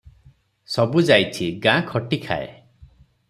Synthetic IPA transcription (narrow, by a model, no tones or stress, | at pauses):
sɔbud͡ʒajt͡ʃʰiɡãkʰɔʈikʰa̰ḛ